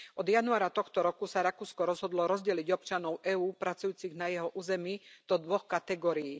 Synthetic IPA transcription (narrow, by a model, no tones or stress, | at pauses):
ʔɔd̪januaːɾat̪ɔxt̪ɔɾɔkusaɾakuːskɔɾɔzɦɔd̪lɔɾɔzɟɛliɟɔpt͡ʃanɔʊɛuːpɾat͡sujuːt͡siɣnajɛɦɔʔuːzɛmiːd̪̥ɔd̪ʋɔxkat̪ɛɡɔːɾijiː